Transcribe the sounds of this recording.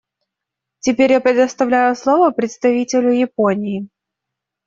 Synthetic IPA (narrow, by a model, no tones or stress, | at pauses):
tʲɪpʲeɾʲjapɾʲɪd̪əst̪ɐvlʲæjʊslˠovəpɾʲɪt̪st̪ɐvʲitʲɪlʲʊjɪponʲɪː